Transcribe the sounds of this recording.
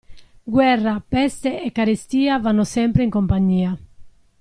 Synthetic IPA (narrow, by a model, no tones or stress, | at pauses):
ɡwɛrːapɛst̪eɛkːaɾest̪iːavanːʊsɛmpɾeiŋkompaɲːiːa